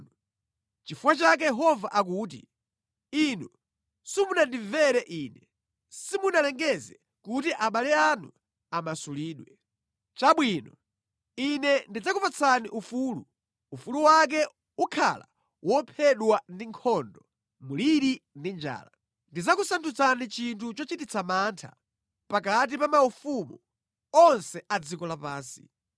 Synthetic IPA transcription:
t͡ʃifuwat͡ʃak̬ɛjɛɦɔvaʔak̬uːt̬ḭ | inu | sumunandivɛɾɛʔiːnɛ | simunalɛŋɡɛzɛ | kutiʔaɓalɛanṵ | amasuliːɗwɛ | t͡ʃaɓwiːnɔ | inɛndid͡zakupat͡sʰaniʔufuːlu | ufuluwak̬ɛ | ukʰa̰la̰ | wɔpʰɛɗwandiŋkʰɔndɔ | muliɾindind͡ʒa̰ːla | ndid͡zakusantʰut͡sʰanit͡ʃintʰut͡ʃɔt͡ʃitit͡sʰamaːntʰa̰ | pak̬at̬ipamaufumu | ɔnsɛad͡zikɔlapaːnsḭ

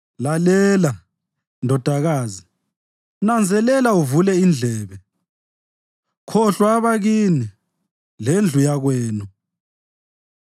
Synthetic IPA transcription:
lalɛːla | ndʱɔd̥ʱaɣaːzi | nand͡zʱɛlɛlauvulɛind͡ɮʱɛːβɛ | kʰɔɬwaːβaɣini | lend͡ɮʱujaɣwɛːnu

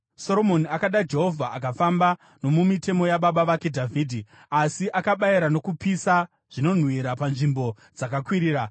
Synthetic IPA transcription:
so̞ɾomo̞niakaɗad͡ʒe̞ɦo̞vʱaʔakafamba | no̞mumite̞mo̞jaɓaɓaʋakedʱavʱiːdʱi | asiʔakaɓaiɾano̞kupisa | ʐ̥ino̞n̤wiɾapanʐimbo̞ | d͡zakakwiɾiːɾa

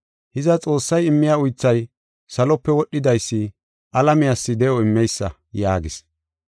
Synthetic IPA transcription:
hɪzɐt͡sʼo̞ːsːɐjɪmːɪjaːʊjt͡sːɐj | sɐlɔpːɛwɔɗːɪd̪ɐjsːɪ | ʔɐlɐmɪjasːɪd̪ɛjɔɪmːɛjsːɐ | jaːɡɪs

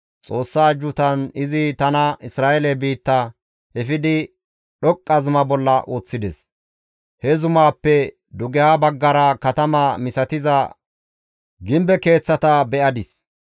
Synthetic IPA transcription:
t͡sʼo̞ːsːaːd͡ʒːʊt̪ɐnɪzɪt̪ɐnɐɪsɾaːʔɛlɛbiːt̪ːɐ | ɛfɪd̪ɪ | ɗɔkʼːɐzʊmɐbɔlːɐʔoːt͡sːɪd̪ɛs | hɛzʊmaːpːɛ | d̪ʊɡɛjabɐɡːɐɾɐkɐt̪ɐmɐmɪsɐt̪ɪzɐ | ɡɪmbɛke̞ːt͡sːɐt̪ɐbɛʔɐd̪ɪs

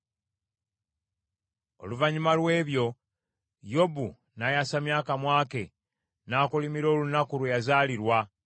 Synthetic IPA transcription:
o̞̰luvaɲumalwe̞ːβjo̞ | jo̞bu | najasamjaːkamwaːke̞ | naːkulimiɾo̞ːlunakulwejazaːliɾwa

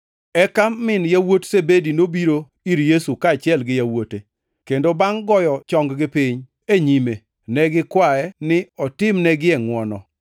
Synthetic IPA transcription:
ɛkamːɪnjawotsebedinobiɾo | iɾjesukaːt͡ʃɪɛlɡɪjawote | kendobaŋɡɔjɔt͡ʃɔŋɡɡɪpɪɲ | eɲime | nɛɡɪkwaɛnɪɔtɪmnɛɡɪɛŋwɔnɔ

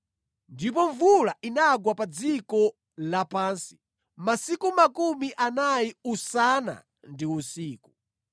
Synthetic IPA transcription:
ndip̬ɔɱvulaʔinaɡwapad͡zikɔ | lapaːnsi̥ | masikumakumiʔanajiusana̰ | ndiusiːku

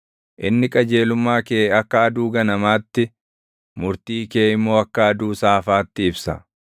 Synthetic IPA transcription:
ʔɪnːɪkʼɐd͡ʒe̞ːlʊmːaːkeːɐkːɐɐd̪uːɡɐnɐmaːt̪ːɪ | mʊɾt̪iːke̞ːɪmːo̞ːɐkːɐɐd̪uːsaːfaːt̪ːɪɪbsɐ̰

